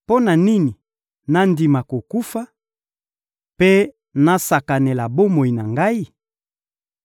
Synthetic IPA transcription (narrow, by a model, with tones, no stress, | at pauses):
po˦na˨ni˦ni˨ | na˦ndi˨ma˨ko˨ku˦fa˦ | pe˦ | na˦sa˨ka˨ne˨la˨bo˦mo˨i˨na˨ŋɡa˦i˦